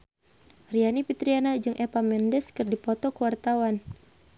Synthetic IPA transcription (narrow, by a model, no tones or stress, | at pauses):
rianipit̪ɾianad͡ʒɨŋʔɛpamɛndɛskɨrdipɔt̪ɔkəwart̪awan